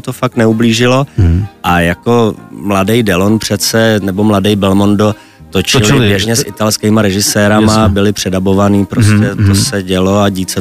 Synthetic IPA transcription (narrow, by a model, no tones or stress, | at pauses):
t̪ofakt̪nɛubliːʒɪlo̞ʔajako̞mladɛjdɛlonpr̝̥ɛt͡sɛnɛbo̞mladɛjbɛlmo̞ndo | t̪o̞t͡ʃɪlɪbjɛʒɲɛsʔɪt̪alskɛːmaɾɛʒɪsɛːɾamabɪlɪpr̝̥ɛdabo̞vanipɾoscɛt̪osɛɟɛlo̞aɟiːt͡sɛ